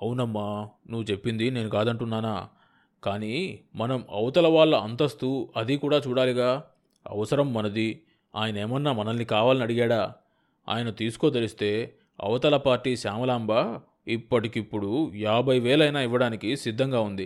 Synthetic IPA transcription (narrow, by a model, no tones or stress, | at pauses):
ɐwunɐmːanuʋːut͡ʃe̞pːind̪ine̞ːnukaːd̪ɐɳʈunːaːnaː | kaːnimɐnɐmɐ̰ʋɐt̪ɐlɐʋaːɭːɐɐnt̪ɐst̪uɐd̪ikuːɽaːt͡ʃuːɽaːliɡaː | ɐ̰ʋɐsɐɾɐmːɐnɐd̪i | a̰ːjɐnɐeːmɐnːaːmɐnɐnːikaːʋaːlɐnɐɽiɡaːɽaː | a̰ːjɐnɐt̪iːsu̥ko̞ːt̪̬elist̪e̞ː | ɐ̰ʋɐt̪ɐlɐpaːɾʈiːsaːmɐlaːmba | ipːɐʈikipːuɽujaːbʱɐjʋɛːlɐjnaːiʋɐɽaːnikisid̪ʱːɐŋɡaːund̪i